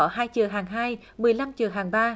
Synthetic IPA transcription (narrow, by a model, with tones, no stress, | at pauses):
ɔ˧˩haː˧jt͡ɕɨ˨˩əɦaː˨˩ŋɦaː˧j | mɨ˨˩əjla˧mt͡ɕɨ˨˩ɦaː˨˩ŋɓaː˧